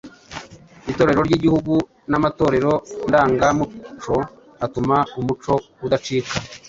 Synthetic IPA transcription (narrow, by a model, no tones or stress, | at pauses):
ito̞ːɾe̞ɾo̞ɾɟiɟihuɡu | namato̞ːɾe̞ɾo̞ndaːŋɡamut͡ʃo̞ | atumaumut͡ʃo̞ | udat͡ʃiːta